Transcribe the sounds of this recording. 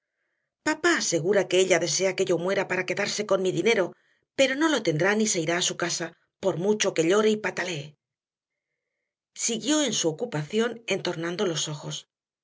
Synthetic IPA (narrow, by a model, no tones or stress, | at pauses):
papaːse̞ɣ̞uɾake̞eʎaðe̞s̬e̞ake̞ʝo̞mwe̞ɾapaɾake̞ðaɾse̞ko̞nmiðine̞ɾo̞ | pe̞ɾo̞no̞lo̞t̪e̞nd̪ɾanise̞iɾaːsukasa | po̞ɾmut͡ʃo̞ke̞ʎo̞ɾe̞ipat̪ale̞ː | siɣjo̞e̞nsuokupaθjo̞ne̞nt̪o̞ɾnãnd̪o̞lo̞so̞xo̞s